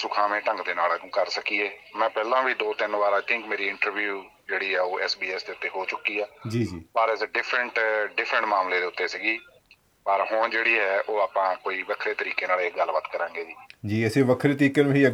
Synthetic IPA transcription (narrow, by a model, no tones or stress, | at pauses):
sʊkʰaːmẽːʈə̃ŋɡd̪eːnaːlaũːkəɾsəkiːeːmɛ̃ːpɛːlãːbiːd̪oːt̪ɪnʋaːɾat̪ʰɪ̃ŋkmeːɾiːɪ̃ɳʈəɾʋjuː | d͡ʒeːɽiːɛːoːʔɛːsbiːɛːsd̪eːʊt̪ːeːɦoːt͡ʃʊkiːɛːd͡ʒiːd͡ʒiːpəɾɪsɖɪpʰɾəɳʈɖɪpʰɾəɳʈmaːmleːd̪eːʊt̪ːeːsiːɡiː | pəɾɦʊɳ̃d͡ʒeːɽiːɛːʔoːaːpãːkoːiːʋəkʰɾeːt̪əɾiːkeːnaːleːɡəlbət̪kəɾãːŋɡeːd͡ʒiːd͡ʒiːəseːʋəkʰɾeːt̪əɾiːkeːnũɦiːə